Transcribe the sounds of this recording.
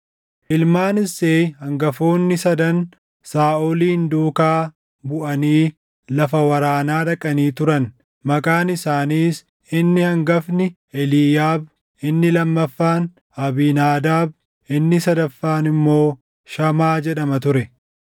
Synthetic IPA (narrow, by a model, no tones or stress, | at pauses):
ʔɪlmaːnɪseːhɐŋɡɐfo̞ːnːɪsɐd̪ɐn | saːʔoliːnd̪uːkaː | bʊʔɐniː | lɐfɐwɐɾaːnaːᶑɐkʼɐniːt̪ʊɾɐn | mɐkʼaːnɪsaːniːs | ɪnːɪhɐŋɡɐfnɪ | ɛliːjaːb | ɪnːɪlɐmːɐfːaːn | ɐbiːnaːd̪aːb̚ | ʔɪnːɪsɐd̪ɐfːaːnɪmːo̞ː | ʃɐmaːd͡ʒɛᶑɐmɐt̪ʊɾɛ